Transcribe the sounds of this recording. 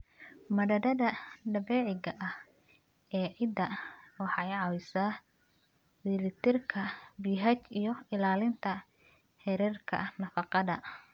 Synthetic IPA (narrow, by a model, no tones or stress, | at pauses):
mɐdɐdɐðɐɖɐbɛːʕɪɡɐʔɐh | ɛːʕɪd̪ɐwɑħɑjʕɑwɪsa | bɪlɪt̪ʰɪrkʰɐbiːɦɐt͡ʃijɞɪlaːlɪnt̪ʰɐ | hɛɾɛrkʰɐ̰nɐfɑqɑðɐ̰